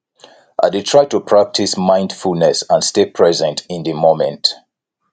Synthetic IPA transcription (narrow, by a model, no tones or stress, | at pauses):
ʔa̰detʰɹaɪtupʰɹ̥ak̚tʰismãɪ̃ndfulnɛsãnstepʰɹɛzɛ̃ntĩndəmomɛ̃nt